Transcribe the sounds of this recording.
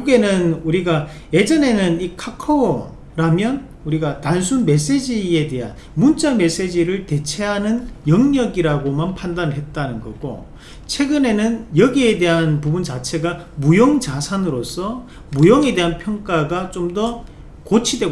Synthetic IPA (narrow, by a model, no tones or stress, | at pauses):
uɡe̞nɯnuɾiɡa | je̞d͡ʑʌne̞nɯnikʰakʰo | ɾamjʌn | uɾiɡatansʰunme̞s̬͈e̞d͡ʑie̞de̞ɦa̰n | munt͡ɕ͈ame̞s͈e̞d͡ʑiɾɯɭte̞t͡ɕʰe̞ɦanɯnjʌŋɲʌɡiɾaɡomanpʰandanɯɭɦe̞t̚t͈anɯnɡʌ̰ɡ͈o̰ | t͡ɕʰwe̞ɡɯne̞nɯnjʌɡie̞de̞ɦanpubunt͡ɕat͡ɕʰe̞ɡamujoŋt͡ɕasʰanɯɾos͈ʰʌ | mujoŋe̞de̞ɦanpʰjʌŋk͈aɡat͡ɕomdʌ | kot͡ɕʰidwe̞ɡ